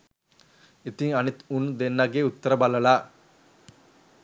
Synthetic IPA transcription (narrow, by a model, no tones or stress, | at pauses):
it̪iŋɐnit̪und̪enːaɡeːut̪ːəɾəbalɐlaː